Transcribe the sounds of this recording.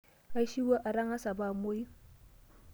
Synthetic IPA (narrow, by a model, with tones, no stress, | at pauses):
ka˦ʃi˦wa˦ʔa˨ɾa˦ŋha˦sa˨ba˦˨mo˦ji˦